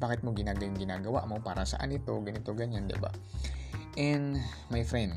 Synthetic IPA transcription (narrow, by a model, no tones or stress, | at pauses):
baːkɪt̪̚moɡɪnaːɡɐlɪŋɡɪnaːɡɐwa̰ʔmopaːɾɐsɐ̰ʔa̰nɪt̪o̞ɡɐnɪt̪o̞ɡɐɲand̪ɪ̰ba̰ | ʔɛn | majfɾɛnd̪